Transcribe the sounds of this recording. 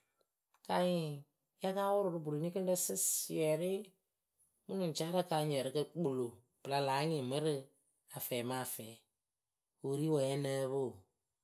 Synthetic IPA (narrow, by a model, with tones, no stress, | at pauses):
ka˨ɲɪ̃˨ | ja˦kaː˦wʊ˦ɾʊ˨ɾɨ˦bu˨lo˨nĩ˦kɨ˦də˦sɨ˦si˨ɛ˨ɾɪ˦ | mu˦nʊ̃˨t͡ʃaː˦ɾa˦kaː˧˦ɲɛ˨ɾɨ˦kə˧k͡po˨lo˨ | pɨ˨la˧laː˨˦ŋɪ̃˨mɨ˦ɾɨ˦ | a˨fɛː˨mãː˨fɛː˨˦ | wo˨ɾi˦wɛ˨ɛ˦nəː˦βo˦˨